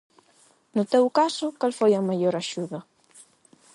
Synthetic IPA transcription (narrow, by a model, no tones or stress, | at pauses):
nut̪ewkasukalfojamaʎoɾaʃuðɐ